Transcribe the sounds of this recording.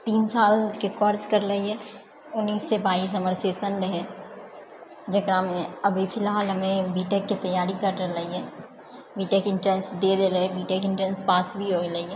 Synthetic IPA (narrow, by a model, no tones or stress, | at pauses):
t̪iːnsaːlkekɔːɾskɐɾlɐiɦɛː | ʊnːiːsːebaːiːs̬ɐməɾseːsənɾɐɦɛ | d͡ʒɐɡɾamẽɐbʱipʰɪlɦaːlɦɐmẽbiːʈekːit̪ɐjaːɾikɐɾʈəɾlɐiɦɛː | biːʈeːkɪ̃ɳʈɾɛ̃ːnsd̪eːd̪eːlɐɦebiːʈeːkɪ̃ɳʈɾɛ̃nspaːsbʱiɦoːɡelɐiɛː